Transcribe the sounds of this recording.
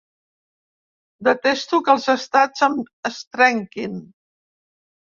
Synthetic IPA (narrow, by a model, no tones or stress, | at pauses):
d̪ət̪est̪ukəlˠzəst̪ad͡zəməst̪ɾɛŋkin